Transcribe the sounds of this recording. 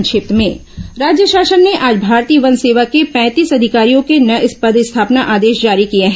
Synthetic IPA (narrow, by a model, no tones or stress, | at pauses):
ŋʃɪp̚t̪mẽ | ɾaːd͡ʒjəʃaːʃənːeʔaːd͡ʒbʱaːɾt̪iːʋənseːʋakepɛ̃ːt̪iːsɐd̪ʱɪkaːɾijõkenɐʔɪspəd̪ɪst̪ʰaːpnaʔaːd̪eːʃd͡ʒaːɾikijeɦɛ